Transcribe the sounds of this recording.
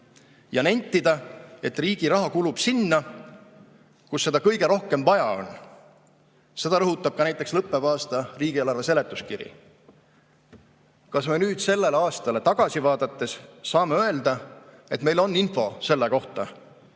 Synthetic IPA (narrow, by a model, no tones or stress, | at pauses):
jɑnenʲt̪ːˑid̪̥ɑe̞t̪riːɡ̥iɾɑɦɑkulub̥sinːɑ | kusːe̞d̪ɑkɤjɡe̞ɾo̞hke̞mvɑjɑo̞̰n | se̞d̪̥ɑɾɤɦut̪ːˑɑb̥̚kɑnæjt̪ːˑekslɤpˑːe̞vɑːst̪ɑriːɡ̥ielɑrvese̞let̪ːˑuskiɾḭ | kɑsmenyːd̪̥se̞lːeleɑːst̪ɑle̞t̪ɑɡ̥ɑsivɑːd̪̥ɑt̪ːˑe̞ssɑːmeø̞e̞ld̪̥ɑ | e̞t̪me̞jlo̞nːinfo̞se̞lːeko̞ht̪ɑ